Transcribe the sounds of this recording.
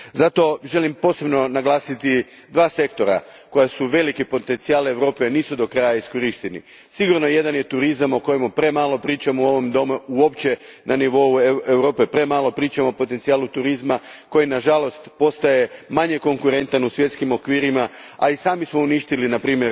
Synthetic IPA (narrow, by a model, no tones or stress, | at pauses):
zat̪o̞ʒe̞limpo̞ːse̞bno̞naɡlˠaːsit̪i | d̪ʋaːse̞kt̪o̞ɾa̰ | ko̞jasuʋe̞likipo̞t̪e̞nt̪siaːleʋɾo̞ːpeniːsud̪o̞kɾajaiskoɾiʃt̪enḭ | siɡuɾnojed̪anje̞t̪uɾizamo̞ko̞jemupɾe̞maːlˠo̞pɾiːt͡ʃamuo̞ʋo̞md̪o̞muuo̞pt͡ɕe̞nʔaniʋo̞ueʋɾo̞ːpepɾe̞ːmaːlo̞pɾiːt͡ʃamoopo̞t̪ent̪siaːlˠut̪uɾizmakojinaʒalo̞st̪po̞st̪aje̞maɲe̞ko̞ŋkuɾe̞nt̪anusʋje̞t̪skimo̞kʋiːɾimaa̰isaːmismouniʃt̪ilinapɾiːmjeɾ